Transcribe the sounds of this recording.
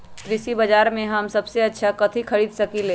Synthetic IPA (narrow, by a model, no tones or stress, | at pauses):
t̪ɾisibɐd͡ʒaːɾmẽɦɐmsɐbseɐtːʃʰakɐt̪ʰikʰɐɾiːd̪sɐkileː